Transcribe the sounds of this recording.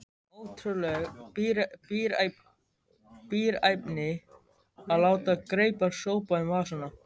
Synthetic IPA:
oːwt̪ʰɾʏlɛɣɾpiːɾ | piːɾajpnɪ | aðlaːwt̪akɾeːjpaɾ̥soːwpaʏmvasanːa

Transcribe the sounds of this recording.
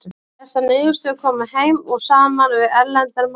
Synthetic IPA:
ɛsːanɪːjʏst̪ʏkʰɔːmʏhejmɔɣsaːanmanvɪɾɛɾlɛnt̪ɛɾm

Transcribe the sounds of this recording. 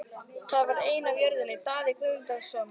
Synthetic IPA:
θaðvaɾeːjnavjœɾðʏnɪt̪aːðɪkʏʏmt̪aðsœːm

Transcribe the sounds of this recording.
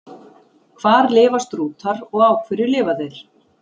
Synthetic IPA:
kʰv̥aːɾlɪːvast̪ɾuːt̪ʰaɾɔɣaːwkʰvʏɾɪlɪːvaðejɾ̥

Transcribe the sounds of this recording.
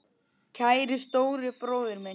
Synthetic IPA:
cʰaːjɾɪst̪oːwɾɪpɾoːwðʏɾmɛ

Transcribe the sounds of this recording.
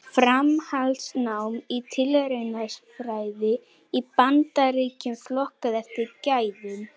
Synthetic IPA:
fɾamhalsnawmit̪ʰɪlɾenasfɾaːjðɪ | ipant̪aɾiːcʏmflɔhkaðɛr̥t̪ɪcaːjðʏm

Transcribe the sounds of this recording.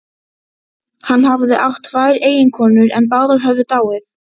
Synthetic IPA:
hanːhavðɪʔawht̪ʰːvaːjɾeːjɪnkʰɔːnʏɾɛ̰npaːwðaɾ̥ɦœvðʏt̪aːwɪθ

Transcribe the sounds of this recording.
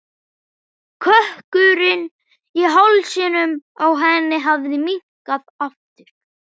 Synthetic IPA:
kʰœhkʏɾɪn | iɦawlsɪːnʏmawɦɛnːɪɦavðɪmiŋ̥kaðaft̪ɪɾ̥

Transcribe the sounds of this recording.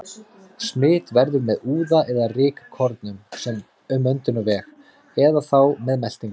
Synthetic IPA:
smɪːt̪vɛɾðʏɾmɛðuːðaʔɛðarɪːkḁkʰɔɾt̪nʏmsɛm | ʏmːœnt̪ʏnɔvɛːx | ɛðaθawmɛðmɛl̥t̪iŋk

